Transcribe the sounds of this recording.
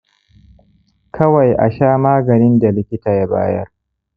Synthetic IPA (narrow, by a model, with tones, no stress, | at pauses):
kʰɐ˦wa˨jʔa̰˨ʃaː˦maː˦ɡɐ˨nɪ˦nda˨lɪ˦kʲɪ˦taː˨ja˦ba̰ː˦jɐ̰˦r